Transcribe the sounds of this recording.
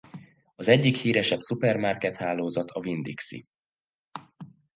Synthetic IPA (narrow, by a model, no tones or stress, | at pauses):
ɒzɛɟːikhiːɾɛʃɛbsupɛrmarkɛt̪haːloːzɒt̪ʰɒvind̪iksḭ